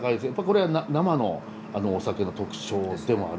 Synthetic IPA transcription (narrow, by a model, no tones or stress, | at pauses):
kaid̪esjapːaɾʲiko̞ɾe̞ananamano̞ | ano̞ːsake̞no̞t̪o̞kɯ̟̥t͡ɕo̞ːd̪e̞mo̞a̰ɾ